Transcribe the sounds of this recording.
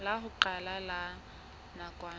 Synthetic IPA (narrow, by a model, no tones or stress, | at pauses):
laɦʊǃalala | nakʼwaː